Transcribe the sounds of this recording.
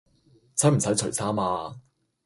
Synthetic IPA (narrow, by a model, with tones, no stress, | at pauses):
t͡sʰɐ˨˥m̩˨˩sɐ˨˥jt͡sʰɵ˨˩jsaː˥maː˧